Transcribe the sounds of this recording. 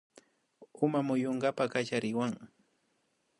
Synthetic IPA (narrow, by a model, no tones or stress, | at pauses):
ʊmamʊjoɴɢapakat͡ʃaɾɪwaŋ